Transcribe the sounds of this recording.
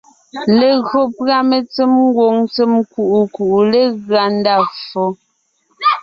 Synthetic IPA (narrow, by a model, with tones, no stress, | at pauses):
le˨ɣɰo˨pɰa˦me˨t͡se˦mŋ˦ɡwo˨ŋt͡se˦mku˨ʔu˨ku˨ʔu˨le˦˨ɣɰa˨n˦da˦˨fo˨˦